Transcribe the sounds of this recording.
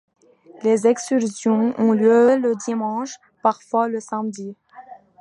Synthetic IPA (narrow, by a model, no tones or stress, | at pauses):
lezɛkst̪yʁsjɔ̃ɔ̃ljøləd̪imɑ̃ʃ | paʁfwaləsamd̪i